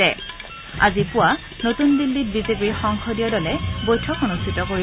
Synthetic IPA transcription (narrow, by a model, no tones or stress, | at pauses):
ɛ | a̰zipʊwa | notundilːit̚bizepiɹxɔŋxʰɔdiɔdɔlɛbojtʰɔkonustʰitɔkoɹi